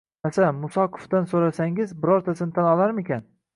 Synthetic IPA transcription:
asamʊsɒqʰʊ̥fd̪ansoɾasaŋɪzbɪɾɒɾt̪ʰasɪnɪt̪ʰanɒlˠaɾmekʲan

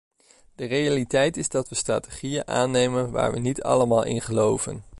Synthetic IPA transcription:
d̥ərejalitɛjtɪzdɑtʋəstra̰ːteχijənʔa̰ːnːejmənʋa̰ːɹʋənitɑ̰ləmaːlˠʔɪ̰nχəlowvə̰n

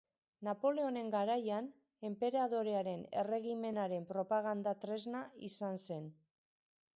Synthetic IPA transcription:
napo̞le̞o̞ne̞ŋɡaɾajan | e̞mpe̞ɾað̞o̞ɾe̞aɾe̞ne̞̰re̞ɣime̞naɾe̞mpɾo̞paɣ̞and̪at̪ɾe̞znaisanse̞n

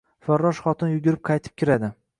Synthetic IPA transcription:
faɾːɒʃχɒt̪ʰɪnjʊɡʲʊɾɪp̚qʰɑjt̪ʰɪ̥p̚kʲʰɪɾad̪ɪ

